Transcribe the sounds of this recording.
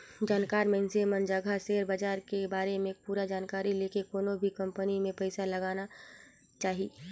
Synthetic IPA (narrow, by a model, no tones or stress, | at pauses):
d͡ʒaːnkaːɾmẽɪnsemə̃nd͡ʒaɡʱaseːɾbəd͡ʒaːɾkebaːɾemẽpuːɾad͡ʒaːnkaːɾileːkekoːnõbʱikɐ̃mpənimẽpɛɪsalɐɡaːna | t͡ʃaːɦi